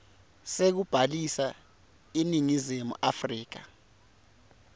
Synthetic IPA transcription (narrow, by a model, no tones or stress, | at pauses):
sek̬ub̥ʱalisa | iniŋizemṵʔafriːk̬a̰